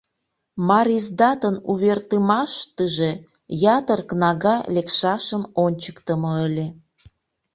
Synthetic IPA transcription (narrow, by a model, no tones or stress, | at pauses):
mɑɾizd̪ɑt̪ənuβert̪əmɑʃt̪əʒe | jɑt̪ərknɑɣɑlekʃɑʃəmonʲt͡ɕə̥kt̪əmoəlʲe